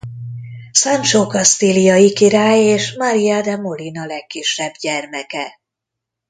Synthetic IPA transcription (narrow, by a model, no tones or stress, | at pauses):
samt͡ʃoːkɒst̪ilijɒjikiɾaːjeːʃmaɾijaːd̪ɛmolinɒlɛkːiʃːɛbɟɛrmɛkɛ